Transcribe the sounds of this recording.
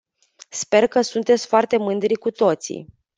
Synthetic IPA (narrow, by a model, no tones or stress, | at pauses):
spe̞rkəsunt̪e̞t̪sʲfoart̪e̞mɨnd̪ɾikut̪o̞t̪sḭ